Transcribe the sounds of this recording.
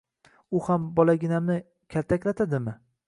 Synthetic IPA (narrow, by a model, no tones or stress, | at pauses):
ʊhambɒlaɡʲɪnamnɪ | kʲʰalt̪ʰakʲlat̪ʰad̪ɪmɪ